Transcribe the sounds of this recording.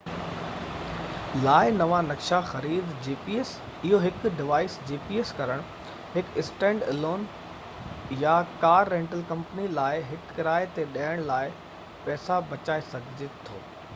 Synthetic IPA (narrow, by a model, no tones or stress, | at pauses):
laːɪnɐʋanɐkʃaxɐɾiːd̪d͡ʑiːpiːes | ɪɦoɦɪkɖɪʋaːɪsd͡ʑiːpiːeskɐɾəɽ̃ | hɪkɪsʈẽːɳɖɪloːn | jakaːɾːẽːɳʈəlkɐ̃mpənilaːɪɦɪkːɪɾaːɪt̪eɗaːɪɽ̃laːɪ | pɛːsabɐt͡ɕaːesɐɡʱɪd͡ʑet̪ʰo̰ː